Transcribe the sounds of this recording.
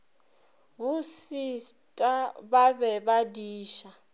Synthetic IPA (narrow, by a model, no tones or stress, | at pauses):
βusistʼaβaβɛβadiːʃa